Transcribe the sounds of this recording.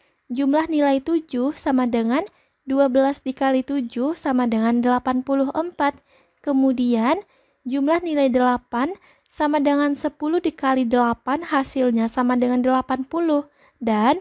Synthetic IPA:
d͡ʒumlahnilajt̪ud͡ʒʊhsamadəŋan | duabəlasdikalit̪ud͡ʒʊhsamadəŋandəlapanpuluɦəmpat̪̚ | kəmudian | d͡ʒumlahnilajdəlapan | samadəŋansəpuluhdikalidəlapanhasilɲasamadəŋandəlapanpulʊh | dan

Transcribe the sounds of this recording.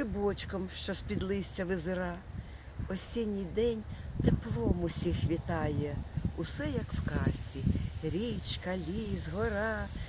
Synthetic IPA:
ɪbɔt͡ʃkɔmʃt͡ʃɔspʲid̪lˠɪsʲt͡sʲɐʋɪzɪɾɑ | ɔsʲinʲijd̪ɛnʲt̪eplˠɔmʊsʲixʋʲit̪ɑjɛʊsɛjɐkwkɑsʲt͡sʲiɾʲit͡ʃkɐlʲizɦɔɾɑ

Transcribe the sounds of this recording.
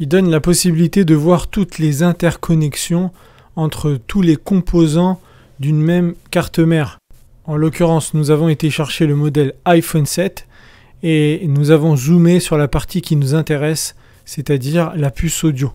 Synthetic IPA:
ild̪ɔnlapɔsibilit̪ed̪əvwaʁt̪ut̪lezɛ̃t̪ɛʁkʰɔnɛksjɔ̃ | ɑ̃t̪χət̪ʰulekɔ̃pʰozɑ̃ | d̪ynmɛmkaʁt̪əmɛʁ | ɑ̃lɔkʲyʁɑ̃snuzavɔ̃et̪eʃɛʁʃeləmɔd̪ɛlajfɔnsɛt̪ | enuzavɔ̃zumesyʁlapaʁt̪ikʲinuzɛ̃t̪eʁɛsː | et̪ad̪iʁlapysod̪jo

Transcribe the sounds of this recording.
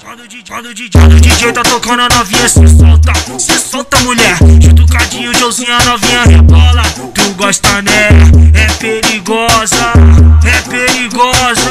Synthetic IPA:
kãd̪ʊd͡ʒid͡ʒad̪ʊd͡ʒid͡ʒãd̪ʊd͡ʒiʒejt̪ʊat̪okɐ̃d̪ʊɐnɔvĩɲɐsesɔwt̪ɐsesɔwt̪ɐmuʎɛɾt͡ʃid̪ʊkad͡ʒĩɲʊd͡ʒowzĩɲɐanɔvĩɲɐbɔlɐ | t̪uɡɔʃt̪ɐnɛɛpeɾiɡɔzɐɛpeɾiɡɔzɐ

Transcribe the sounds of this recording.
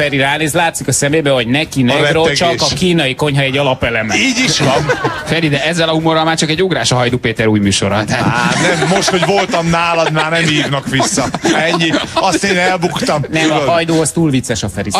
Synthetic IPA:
fɛɾiɾaːneːzlaːt̪sikɒsɛmeːbɛɦo̞ɟnɛkinɛkroɛt͡ʃɒkɒkiːnɒjiko̞ɲɦɒɛɟːɒlɒpɛlɛmɛiːɟiʃʋɒnfɛɾid̪ɛɛzːɛlɒhumorːɒlmaːrt͡ʃɒkɛɟːoɡɾaːʃɒɦɒjd̪oːpeːt̪ɛɾuːjmyːʃo̞̰ɾɒt̪aanɛmːo̞ʃt̪ho̞ɟvolt̪ɒmnaːlɒd̪maːrnɛmiːvnɒkʋisːɒɛɲːiɒst̪eːnɛlbukt̪ɒmnɛmɒjd̪oːhost̪uːlvit̪sːɛʃɒfɛɾi

